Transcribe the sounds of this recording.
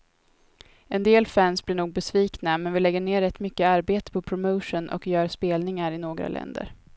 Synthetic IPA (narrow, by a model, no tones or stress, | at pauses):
ɛnd̪eːlfænsblɪɳuːɡ̚bɛsviːknamɛnvɪlɛɡːəɳeːɾɛt̪ːmʏkːəaɾbeːt̪ə̥pʰɔpʰɾʊmoʊʂʊnʔɔ̰kjœːɾspeːlnɪŋaɾɪnoːɡɾa̰lʔɛ̰nd̪ə̰ɾ